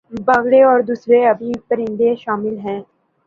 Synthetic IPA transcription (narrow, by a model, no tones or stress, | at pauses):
baɣɽeɔːɾd̪uːsɾeɐbʱipɐɾɪ̃nd̪eʃaːmɪlɦɛ̃ː